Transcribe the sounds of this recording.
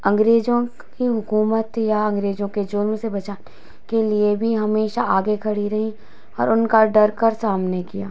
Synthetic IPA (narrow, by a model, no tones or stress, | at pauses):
ɐ̃ŋɡɾeːd͡ʒõ | kiɦʊkuːmət̪jaɐ̃ŋɡɾeːd͡ʒõked͡ʒʊlmsebɐt͡ʃaːn | keliebʱiɦɐmeːʃaaːɡekʰɐɽiɾɐɦĩ | ɔ̰ːɾʊnkaɖɐɾkɐɾsaːmnekija̰ː